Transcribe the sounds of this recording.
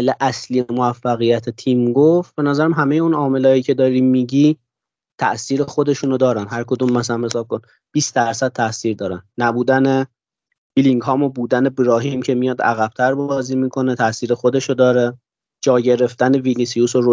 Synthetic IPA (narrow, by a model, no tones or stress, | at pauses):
leʔæslijemoæfːæɣijæt̪ʰet̪ʰiːmɡoft̪̚b̥e̞næzæɾæmɦæme̞jeunɒːme̞lɒːjiːcʰe̞d̪ɒːɾiːmiːɟiː | t̪ʰæ̰ʔsiːɾexo̞d̪e̞ʃuːnod̪ɒːɾænɦæɾkʰo̞d̪uːmːæsælæmhe̞sɒːb̚kʰon | b̥iːsd̪æɾsæd̪̚t̪ʰæʔsiːɾd̪ɒːɾænːæbuːd̪æne̞ | b̥iliŋɡhɒːmobuːd̪ænebɾɒːɦiːmcʰe̞mijɒːd̪æ̰ɣæb̥̚t̪ʰæɾbbɒːziːmiːkʰo̞net̪ʰæʔsiːɾe̞xo̞d̪e̞ʃod̪ɒːɾe | d͡ʒɒːɟe̞ɾe̞ft̪æne̞vinisijusoɾo